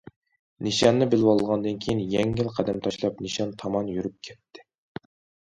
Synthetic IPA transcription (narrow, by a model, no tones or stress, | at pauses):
niʃɑnːɨbɪlwɑlˠɨlˠʁɑnd̪ɨnkʲʰejinjɛŋːilˠqʰæd̪ɛmt̪ʰɑʃlˠɑpniʃɑnt̪ʰɑmɑnjyɾyp̚kʲʰɛt̪ʰːɪ̥